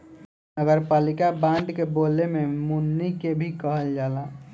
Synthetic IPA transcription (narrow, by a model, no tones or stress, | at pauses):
nəɡəɾpaːlikabãɳɖkebolememunːikebʱikəɦəld͡ʒaːla